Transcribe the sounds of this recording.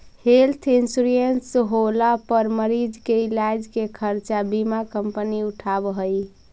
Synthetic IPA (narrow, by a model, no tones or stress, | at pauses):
helt̪ʰinsuɾiensɦolapəɾməɾid͡ʒkeilad͡ʒkekʰəɾt͡ʃabimakəmpəniuʈʰabɦəj